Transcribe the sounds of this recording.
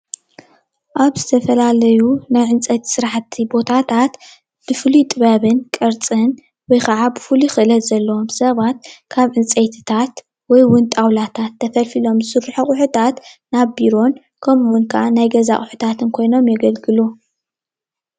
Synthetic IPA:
ʔaβzɨt̪ʰɐfɐlalɐjunajʕɨnt͡sʼɐt̪ʰsɨɾaħt̪ʰːibo̞t̪ʰat̪ʰat̪ | b̥ɨfɨlit̪ʼɨβaβɨnkʼɨɾt͡sʼɨn | wɔjkʰɐʕabɨfɨluxɨʔɨlɐt̪z̥ɐlːɐomsɐβat̪̚kʰaβʕɨnt͡sʼɐjt̪ʰɨ̥t̪ʰat̪ | wɔjwʊnt̪ʼawlat̪ʰat̪ʰːɐfɐlfilo̞mzɨsɨɾħuχʼʊħut̪ʰat̪naβbiɾo̞n | kʰɐmwʊnkʰaʔanajɡɐza̰χʼʊħut̪ʰat̪ʰɨnkʰo̞jno̞mjɛɡɐlɡɨlu

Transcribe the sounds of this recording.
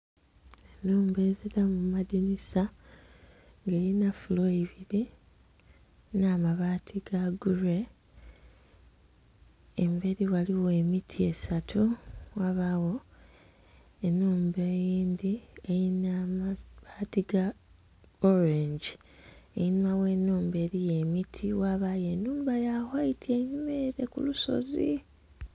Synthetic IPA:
enːuːmbe̞ːziɾamumadinisa | ŋɡejinafuloiβiɾi | naːmaβaːtʰiɡaɡuɾe | embeɾiwaliwoemitʰie̞satʰuwaβawo̞ | enːuːmbejiːnd̪iejinamaβaːtiɡa | oɾeɲd͡ʒiejinimawe̞nːuːmbe̞ːɾije̞mitʰiwaβaje̞nuːmbajahwaitʰie̞ɲumeɾe̞kṵluso̞̰zi

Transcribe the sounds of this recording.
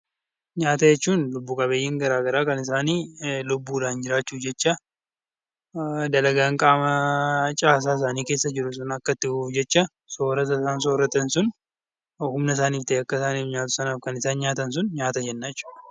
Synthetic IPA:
ɲaːt̪ɐjɛt͡ʃːuːnlʊbːukʼɐbeːjːɪŋɡɐɾaːɡɐɾaːkɐnɪs̬aːniːlʊbːuːlaːnd͡ʒɪɾaːt͡ʃːuːd͡ʒɛt͡ʃːɐ | d̪ɐlɐɡaːŋkʼaːmɐt͡ʃʼaːs̬aːɪs̬aːniːke̞ːsːɐd͡ʒɪɾʊs̬ʊnɐkːɐt̪ːɪufd͡ʒɛt͡ʃːɐ | soːɾɐt̪ɐsaːns̬oːɾɐt̪ɐnsʊn | hʊmnɐs̬aːniːft̪ɐeːɐkːɐsaːniːfɲaːt̪ʊ̥sɐnaːfkɐnɪsaːnɲaːt̪ɐns̬ʊnɲaːt̪ɐd͡ʒɛnːaːjɛt͡ʃːu̥ːᶑ̪ɐ

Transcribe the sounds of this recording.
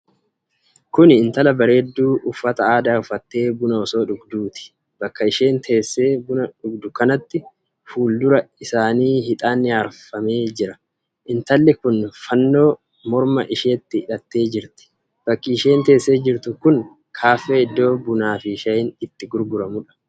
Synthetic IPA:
kʊnɪɪnt̪ɐlɐbɐɾe̞ːd̪ːuːʊfːɐt̪ɐaːd̪aːʊfɐt̪ːe̞ːbʊnɐɔso̞ːᶑʊɡd̪uːt̪ɪ̥ | b̥ɐkːɐɪʃe̞ːnt̪ʰe̞ːsːe̞ːbʊnɐᶑʊɡd̪ʊkɐnɐt̪ːɪ | fuːld̪ʊɾɐɪsaːniːhɪt̪ʼaːnːɪjaːɾfɐme̞ːd͡ʒɪɾɐ | ʔɪnt̪ɐlːɪkʊnfɐnːo̞ː | mɔɾmɐ̰ʔɪʃe̞ːt̪ːɪɪᶑɐt̪ːe̞ːd͡ʒɪɾt̪ɪ̥ | b̥ɐkːiːʃe̞ːnt̪e̞ːsːe̞ːd͡ʒɪɾt̪ʊkʊn | kʰaːfːeːɪd̪ːo̞ːbʊnaːfɪʃɐjɪnɪt̪ːɪɡʊɾɡʊɾɐmʊᶑɐ̥

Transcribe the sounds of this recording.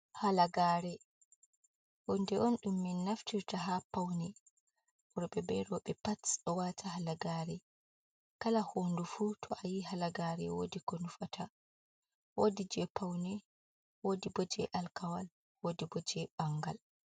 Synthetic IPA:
halaɡaːɾɛ | wɔndɛʔɔnɗumːinːaftiɾtaɦapawnɛ | ɔɾɔɓɛbɛɾɔɓɛpatɗɔwatʰaɦalaɡaɾɛ | kalahondufuːtʰɔʔajihalaɡaːɾɛwo̰dikɔnufatʰa | wodid͡ʒɛpawnɛ | wodibod͡ʒɛ̰ʔalkawal | wodibod͡ʒɛbaŋɡa̰l

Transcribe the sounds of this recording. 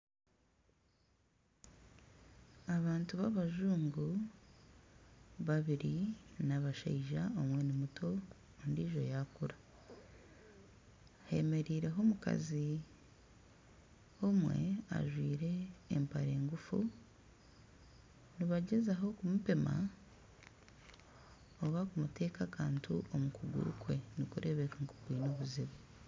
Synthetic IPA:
aβaːntuβaβaʒuːŋɡu | βaβiɾinaβaʃa̰iʒaomwe̞nimutʰo̞ː | ndiːʒo̞̰jakuɾa | he̞̰me̞ɾiːɾe̞ɦo̞muka̰zi | o̞mwe̞̰a̰ʒwiːɾe̞ːmpaɾe̞ːŋɡufu | niβaɟezaɦo̞kumupe̞ma̰ | oβakumutʰe̞ːkakʰaːntʰuʔomukuɡṵɾukwe̞nikuɾʔe̞βe̞kaŋku̥kwiːno̞ːβuziβe

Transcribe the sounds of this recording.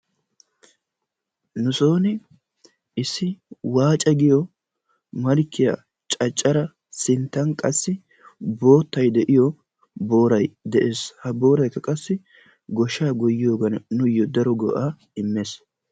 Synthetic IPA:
nʊso̞ːnɪ | ɪsːɪwaːt͡ʃʼɐɡɪjɔ | mɐlkːɪja̰ | t͡ʃʼɐt͡ʃʼːɐɾɐ | sɪnt̪ːɐnkʼɐsːɪ | bo̞ːt̪ːɐjd̪ɛʔɪjɔ | bo̞ːɾɐjd̪ɛʔe̞ːshɐbo̞ːɾɐjkːɐkʼɐsːɪ | ɡɔʃaːɡɔjːɪjo̞ːɡɐnnʊjːɔd̪ɐɾɔɡɔ̰ʔaː | ɪmːeːs

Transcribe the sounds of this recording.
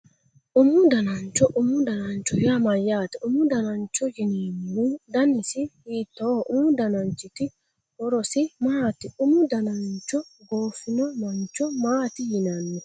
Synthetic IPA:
ʔʊmʊd̪ɐnɐnt͡ʃːɔʔʊmʊd̪ɐnɐnt͡ʃɔjamɐjːaːt̪ɛʊmʊd̪ɐnɐnt͡ʃːɔjɪnimːud̪ɐnɪsɪhiːt̪ːoʔʊmʊd̪ɐnɐnt͡ʃːɪt̪ɪ | wɔɾɔsɪmaːt̪ɪʊmʊd̪ɐnɐnt͡ʃːɔɡoːfɪnɔmɐnt͡ʃɔmaːt̪ɪjɪnɐnːɪ

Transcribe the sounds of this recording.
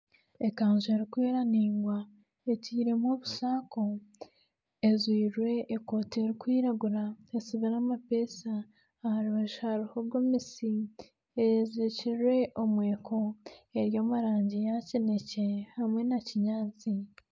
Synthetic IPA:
e̞kaːnzueɾikweːɾaniːŋɡwa | eciːɾe̞moβusaːko | ezwiːɾwe̞ʔːko̞ːteɾikwiːɾaɡuɾaesiβenamape̞ːsaː | haɾuβaʃhaɾuhoɾɡomisi | ezeciɾwe̞ʔo̞mwe̞ːkʰoeɾjo̞ːmuɾaːɲɟijacenece̞hamwe̞naciɲaːt͡si

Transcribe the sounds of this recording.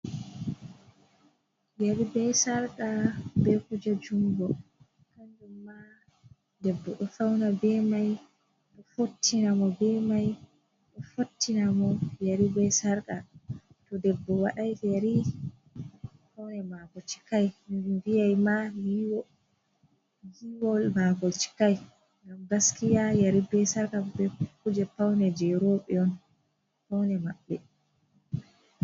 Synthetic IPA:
jaɾibɛsaɾkabɛkud͡ʒad͡ʒumbɔ | kandumːa | dɛbːɔɗɔfawnabɛmaj | ɗɔfotʰːinamɔbɛmaj | ɗɔfotʰːinamɔjaɾibɛsaɾkatɔdɛbːɔwaɗajfjaɾi | pawnɛmakɔt͡ʃi̥kajvijajmajiwɔ | jiwɔlmakɔt͡ʃi̥kaj | ŋɡamɡaskijajaɾibɛsaɾkabɛkːud͡ʒɛpawnɛd͡ʒɛɾoɓɛɔn | pawnɛmaɓːɛ

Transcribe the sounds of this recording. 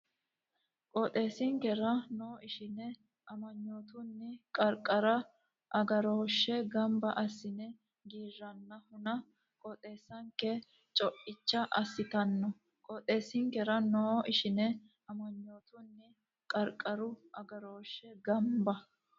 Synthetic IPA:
kʼɔt̪ʼe̞ːsɪŋkɛɾɐnoːɪʃɪnɛ | ʔɐmɐɲːo̞ːt̪ʊnːɪkʼɐɾkʼɐɾɐ | ʔɐɡɐɾoːʃːɛɡɐmbɐʔɐsːɪnɛ | ɡiːrːɐnːɐhʊnɐ | kʼɔt̪ʼe̞ːsːɐŋkːɛ | t͡ʃʼɔʔɪt͡ʃːɐʔɐsːɪt̪ɐnːɔ | kʼɔt̪ʼe̞ːsɪŋkɛɾɐnoːʔɪʃɪnɛ | ɐmɐɲːoːt̪ʊnːɪ | kʼɐɾkʼːɐɾʊʔɐɡɐɾo̞ːʃɛɡɐmbɐ

